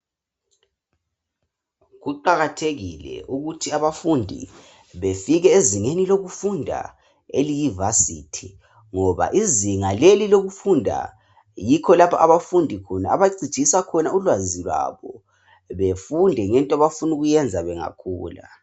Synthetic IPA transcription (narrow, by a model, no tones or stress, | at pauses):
ɣuǃaɣatʰeɣilɛ̰ʔuɣutʰiaβafundʱḭ | βefiɣɛeziŋeniloɣufundʱa̰ | elijivasḭtʰi | ŋɔβa̰ʔiziŋaleliloɣufundʱa̰ | jikʰɔlapʰaʔaβafundʱikʰuna̰a̰βaɡ͡ǀi̥ʒ̥ʱisakʰɔnaulwaziβa̰βɔ | βefundʱɛŋɛntʼɔaβafunuɣujɛnd͡zʱaβɛŋa̰kʰṵːla̰